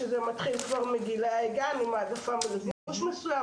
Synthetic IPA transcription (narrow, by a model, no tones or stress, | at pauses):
əzɛmat̪χilkvaʁmeɡilaaɛɡanimadafamulziuʃməsuja